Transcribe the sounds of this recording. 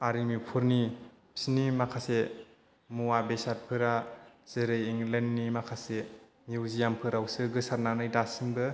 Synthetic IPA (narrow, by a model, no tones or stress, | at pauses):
aɾimipʰuɾni | pʰi̥snimakʰase | muwabesaɾ̚pʰɯɾaz̥ɯɾɯjiŋlenːimakʰase | miwzijampʰɯɾawsɯɡɯsaɾnanɯjdasiŋbɯ